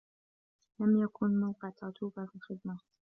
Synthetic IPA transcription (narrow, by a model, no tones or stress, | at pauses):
lamjakʰʊnmawqɑʕt̪ʰɑt̪uːbafilxɪd̪ma